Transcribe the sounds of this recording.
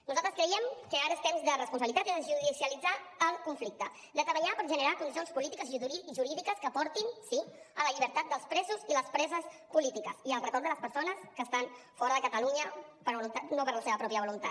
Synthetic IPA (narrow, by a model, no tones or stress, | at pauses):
nuzalˠt̪ɾəskɾəiɛmkəaɾəst̪ɛmzðərəspuns̬βəlit̪at̪iðəʒuðisiəlid͡zaːlˠkuɱflik̚t̪ə | d̪əzəβəɲapəɾʒənəɾakund̪is̬ionspulit̪ikəziʒuɾiðikəskəpɔɾt̪insi | ələʎiβ̞əɾt̪at̪̚d̪əlˠspɾɛzuziləspɾɛzəspulit̪ikəsiəlˠrət̪oɾd̪ələspəɾsonəskəːst̪anfɔɾəðəkət̪əluɲəpəɾβulunt̪anopəɾləseβəpɾɔpjəβulunt̪a̰t̪